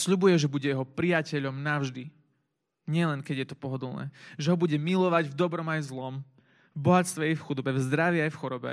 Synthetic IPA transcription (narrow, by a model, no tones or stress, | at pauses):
sʎubujɛʒɛbuɟɛjɛɦɔpɾijacɛʎɔmnaʊʒd̪i | ɲɪɛlɛnkɛɟjɛt̪ɔ̥pɔɦɔd̪l̩ˠnɛ̰ːʒɛɦɔbuɟɛmilɔʋaɟvd̪ɔbɾɔmajzlɔm | vbɔɦat̪st̪ʋɛajfxud̪ɔbɛvzd̪ɾaʋiajfxɔɾɔbɛ̰